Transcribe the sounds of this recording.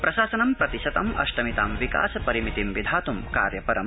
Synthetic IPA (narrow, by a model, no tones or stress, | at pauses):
pɾɐʃaːsɐnɐmpɾɐt̪iʃɐt̪ɐmɐ̰ʃʈɐmit̪a̰ːmʋika̰ːsɐpɐɾimit̪imʋid̪ʱaːt̪umka̰ːɾjɐpɐɾɐm